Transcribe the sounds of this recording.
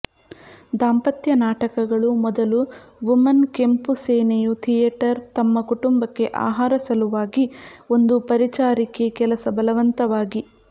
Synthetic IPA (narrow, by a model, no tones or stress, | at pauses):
d̪aːmpɐt̪jɐnaːʈɐkɐɡɐɭumɔd̪ɐluʋumɐnke̞mpuseːnejut̪ʰijeːʈɐɾt̪ɐmːɐkuʈumbɐkːe̞ʔa̰ːɦaːɾɐsɐluʋaːɡio̞nd̪upɐɾit͡ʃaːɾikekɛlɐsɐbɐlɐʋɐnt̪ɐʋaːɡi